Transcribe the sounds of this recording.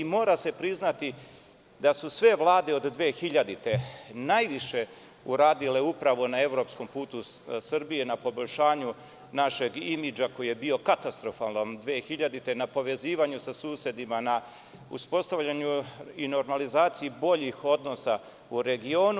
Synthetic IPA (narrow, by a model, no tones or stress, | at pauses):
imo̞ːɾase̞pɾiznat̪i | d̪asusʋe̞ʋlˠaːd̪e̞o̞d̪d̪ʋeːxiʎad̪it̪e̞najʋiʃe̞ | uɾaːd̪ile̞upɾaʋo̞nae̞ʋvɾo̞ːpsko̞mpuːt̪usrbije̞napo̞bo̞ʎʲʃaːɲu | naʃe̞ɡimid͡ʒako̞jije̞bio̞kat̪ast̪ɾo̞falˠnond̪ʋeːxiʎad̪it̪e̞napo̞ʋe̞ziːʋaɲusasuːsje̞d̪imana | ṵspo̞st̪aʋʎaɲuino̞ɾmalizaːt̪sijibo̞ʎixo̞d̪no̞sa | uɾe̞ɡio̞ːnu